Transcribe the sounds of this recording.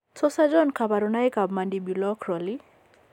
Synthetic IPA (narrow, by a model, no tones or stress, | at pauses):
t͡sɔsad͡ʒɔnkʰabaɾunajkabmandibilɔkʰɾɔli